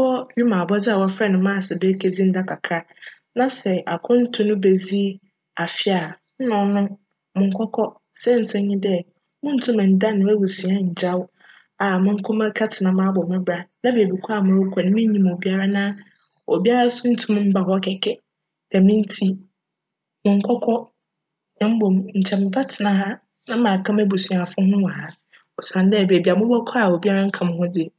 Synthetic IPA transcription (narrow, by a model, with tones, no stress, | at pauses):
wɔ˦ɥi˦mã˨bɔ˦d͡zɪ˦a˨wɔ˦fɛ˦˨nʊ̃˨mã˦˨sɪ˨dɛ˦kʰe˦d͡zi˦n̩˦da˦kʰa˨kʰɾa˦ | nã˦sɛ˨ʔa˨kʰʊ̃˦n̩˦tʰʊ̃˦nʊ̃˦be˨zi˦ | a˨fɪ˦a˨ | n̩˦nʊ̃˨nʊ̃˦ | mʊ̃˨ŋ̩˦kʰɔ˦kʰɔ˦ | sɛ˦˨n̩˨tʰɛ̃˦ɲĩ˦dɛ˦ | mʊ̃˦n̩˦tʰʊ̃˦mɛ̃˨n̩˨da˦nʊ̃˨ɛ˦wu˨si˨ã˦˨ɲ̩˨d͡ʑa˦w | a˨mʊ̃˦ŋ̩˦kʰʊ̃˦mã˦kʰa˦tʰɪ˨nã˨mã˦bɔ˨mɛ̃˦bɾa˦nã˦beː˨bi˨kʰɔ˦a˨mʊ̃˦ʊ˦kʰʷɔ˨nɪ̃˦mɪ̃˦ɲĩ˨m˨o˨bi˦a˦ɾa˦nã˦ | o̰˨bi˦a˦ɾa˦sʊ˦n̩˦tʰʊ̃˦m̃˦m̩˦ba˨ɦɔ˦kʰɛ˨kʰɛ˦ | d̥ɛ˨mɪ̃˦n̩˦tʰi˦ | mʊ̃˨ŋ̩˦kʰɔ˦kʰɔ˦ | ɲɛ̃˦m̩˦bɔ˨mɲ̩˨t͡ɕʰɛ˨mɪ̃˨ba˦tʰɪ˨nã˨ɦa˦ | nã˦mãː˨kʰã˦mæ˦bu˨su˨a˨fʊ̃˦hʊ̃˦wã˨ha˨ | ɔ˨sã˨n˦dɛ˦˨be˨bi˨a˨mʊ̃˦bɔ˦kʰɔ˦a˨o˨bi˦a˦ɾa˦ŋ̩˦kʰa˨mʊ̃˨hʊ̃˦dɪ˨